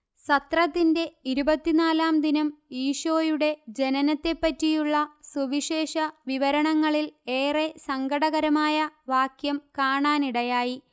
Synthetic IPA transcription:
sɐt̪rɐt̪ːinde̞iɾubɐt̪ːinaːlaːmd̪inɐmiːʂoːjuɽe̞d͡ʑe̞nɐnɐt̪ːe̞pːɐtːijuɭːɐsuʋiʂe̞ːʂɐʋiʋɐɾɐɳɐŋːɐɭile̞ːresɐŋɡʱɐɽɐɣɐɾɐmaːjɐʋaːkjɐmkaːɳaːniɽɐjaːji

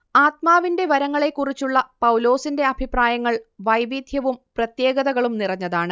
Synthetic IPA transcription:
aːt̪̚maːʋinde̞ʋɐɾɐŋːɐɭe̞kːurit͡ɕːuɭːɐpɐwlo̞ːsinde̞ɐbʱipraːjɐŋːɐɭʋɐjʋid̪ʱjɐʋumprɐt̪je̞ːɡɐðɐɣɐɭumnirɐɲːɐðaːɳɨ

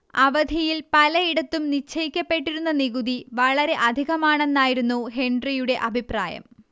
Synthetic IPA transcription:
ɐʋɐd̪ʱijilpɐlɐiɽɐt̪ːumnit͡ɕʰːɐjikʲːɐpːe̞ʈːiɾunːɐniɣuðiʋɐɭɐɾe̞ʔɐd̪ʱiɣɐmaːɳe̞nːaːjiɾunːuɦeɳɖrijuɽe̞ʔɐbʱipra̰ːjɐ̰m

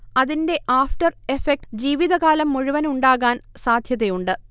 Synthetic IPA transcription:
ɐðinde̞ʔaːfʈɐre̞fek̚ʈd͡ʑiːʋiðɐɣaːlɐmːoɻiʋɐnuɳɖaːɣaːnsaːd̪ʱjɐðejuɳɖɨ

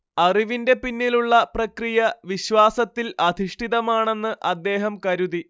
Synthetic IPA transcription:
ɐriʋinde̞pinːiluɭːɐprɐkrijɐʋiɕwaːsɐt̪ːilɐd̪ʱiʂʈʰiðɐmaːɳe̞nːɨʔɐd̪ːe̞ːɦɐmkɐɾuði

